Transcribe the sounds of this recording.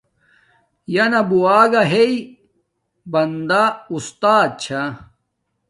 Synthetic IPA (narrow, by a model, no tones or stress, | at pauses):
jɐnɐbuaːɡaɦei | bɐnd̪aust̪aːd̪̚t͡ɕʰa